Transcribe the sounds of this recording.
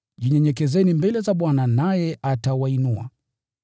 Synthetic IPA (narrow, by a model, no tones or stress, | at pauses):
ʄiɲɛɲɛk̬ɛzɛnimbɛlɛzaɓwananajɛʔatawainua̰